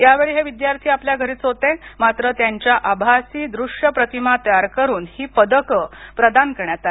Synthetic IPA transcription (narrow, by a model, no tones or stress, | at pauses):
jaʋeɭiːɦeʋid̪jaɾt̪ʰiːapljaɡʱəɾiːt͡sɦot̪ẽmat̪ɾət̪jaɲt͡ɕjaʔabʱasiːd̪ɾuʂjəpɾət̪imat̪əjaɾkəɾuːnhiːpəd̪əkəpɾəd̪ankəɾɳjat̪ae